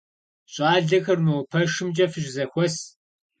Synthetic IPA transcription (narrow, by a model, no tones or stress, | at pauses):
ɕʼaːɮɐxɐrmɨwpʰɐʂɨmt͡ʃʼɐfɨʒzɐxʷɔs